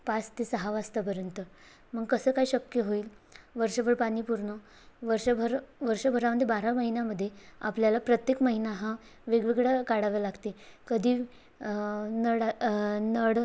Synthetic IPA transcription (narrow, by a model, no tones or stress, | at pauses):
past̪esəɦaʋast̪əp̬əɾjənt̪ə | məɡkəsəːkaɦiɕəkjəɦoiːl | ʋəɾʂəbʱəɽpaɽ̃iːpuɾɳə | ʋəɾʂəbʱəɾʋəɾɕəbʱəɾaməd̪ʱjebaɾaməɦinjaməd̪ʱːjea̰pljalapɾət̪jekməɦinaɦã | ʋeɡʋiɡɽakaɽaʋəlaɡt̪ekəd̪ʱiː | nəɽnəɽ